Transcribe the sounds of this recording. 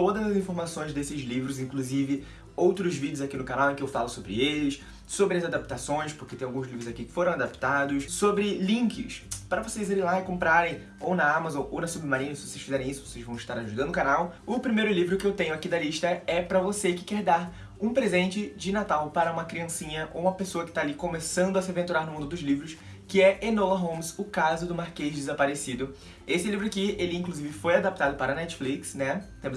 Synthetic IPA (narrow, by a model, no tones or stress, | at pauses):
t̪od̪ɐzɐzĩfoɾmasõj̃zd̪esɪzlivɾʊzĩŋkluzivɪ | owt̪ɾʊzvid͡ʒʊzakinʊkanawẽkɪewfalʊsobɾɪelɪs | sobɾɪɐzad̪ap̚t̪asõj̃spʊ̥ket̪ẽj̃awɡũzlivɾʊzakikɪ̥foɾɐ̃w̃ad̪ap̚t̪ad̪ʊssobɾɪlĩŋkɪspɾɐvosejzillaɪkõmpɾaɾẽj̃ | ownɐamazõownɐsubɪmaɾĩɲɐsɪvoseʃfizɛɾẽj̃isʊvosejzvɐ̃w̃ɪʃt̪aɾaʒud̪ɐ̃nd̪ʊkanawʊpɾimejɾʊlivɾʊkɪewt̪ẽɲʊakid̪ɐliʃt̪ɐɛpɾɐvosekɪ̥kɛɾd̪aɾ | ũpɾezẽnt͡ʃɪd͡ʒɪnat̪awpaɾɐũmɐkɾiɐ̃sĩɲɐʔo̰wũmɐpesoɐkɪ̥t̪aːlikomesɐ̃nd̪ʊɐsɪavẽnt̪uɾaɾnʊmũd̪ʊd̪ʊzlivɾʊs | kɪɛenolɐɦõmsʊkazʊd̪ʊmaɾkeʒd̪ɪzapaɾesid̪ʊ | esɪɛlivɾʊakɪelɪĩŋkluzivɪfojad̪ap̚t̪ad̪ʊpaɾɐnɛt͡ʃɪ̥fliksnɛt̪ẽmʊz